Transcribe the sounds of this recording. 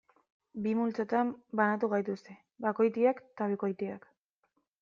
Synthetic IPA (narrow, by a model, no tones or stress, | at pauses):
bimult͡sot̪ambanat̪̬uɣajt̪ust̪e̞ | bako̞jt̪iakt̪aβ̞iko̞jt̪ia̰k